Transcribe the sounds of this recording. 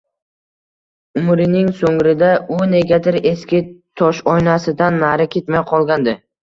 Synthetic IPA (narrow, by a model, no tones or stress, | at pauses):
ʊmɾɪnɪŋsoŋɾɪd̪aʊne̞ɡʲat̪ɪɾe̞skʲɪt̪ʰɒʃɒjnasɪd̪anːaɾɪkʲʰe̞t̪majqʰɒlˠɡʲand̪ɪ